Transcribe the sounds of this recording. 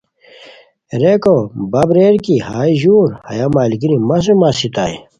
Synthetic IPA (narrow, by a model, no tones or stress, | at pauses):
ɾekobɐbɾeːɾkihaːiʑuːɾhɐ̰jamaːlikinimɐs̬umaːsit̪a̰j